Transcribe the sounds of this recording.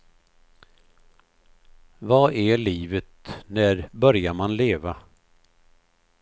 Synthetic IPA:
vɑʔæɭiːvət̪næɾbœɾjaɾmanleːva

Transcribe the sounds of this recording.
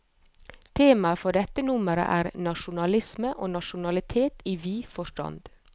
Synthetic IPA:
t̪ʰeːmɑfɔɖɛt̪ːənʊməɾə̰ʔæːɾnɑʃʊnɑlɪsməʔoːnɑʃʊnɑlɪt̪ʰeːt̪iːʋiːfɔʃʈɑ̰nd̪̥

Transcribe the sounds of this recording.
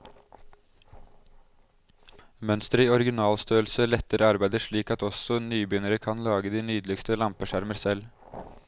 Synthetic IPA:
mœnst̪ɾɪɔɾɪɡɪnɑːlst̪øːəlsəlɛt̪ːəɾɑɾbæɪd̪əʂɭiːkɑt̪ɔsɔnyːbʏnəɾəkʰɑnlɑːɡəd̪iːnyːd̪lɪkst̪əlɑmpəʃæɾməɾsɛl

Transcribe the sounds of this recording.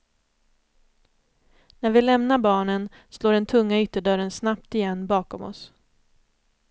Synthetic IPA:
næɾvɪlɛmnabɑːɳən | sloːɖɛnt̪ʰɵŋːaʏt̪ːəɖœɾənsnapt̪ɪjɛnːbɑːkɔmɔ̰s

